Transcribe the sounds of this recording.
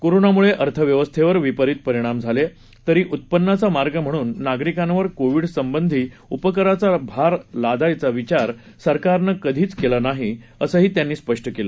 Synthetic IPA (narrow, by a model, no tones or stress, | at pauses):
koɾonamuɭeʔəɾt̪ʰəʋjəʋəst̪ʰeʋəɾʋipəɾit̪̚pəɾiɽ̃amd͡zʱale | t̪əɾiːʔut̪̚pənːat͡samaɾɡəm̤əɽ̃uːnːaɡɾikãnʋəɾkoʋiɽsəmbənd̪ʱiːupəkəɾat͡sabʱaɾlad̪ajt͡saʋit͡ɕaɾ | səɾkaɾnəkəd̪ʱiːt͡skelanaɦiəsəːɦiːt̪janːiːspəʂʈəkela